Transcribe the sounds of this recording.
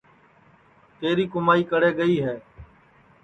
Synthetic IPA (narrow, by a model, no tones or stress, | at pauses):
t̪eːɾiːkʊmaːiːkəɽeːɡəiːɦɛː